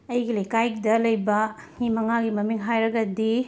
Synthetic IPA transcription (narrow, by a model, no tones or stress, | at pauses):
ɐjɡilejkajk̚dɐlɐjbɐnimɐŋaɡimɐmiŋɦajɾɐɡɐdi